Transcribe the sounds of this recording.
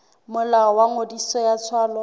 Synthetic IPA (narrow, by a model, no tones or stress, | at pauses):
mʊlaɔwaŋodisɔjat͡sʰwaːlɔ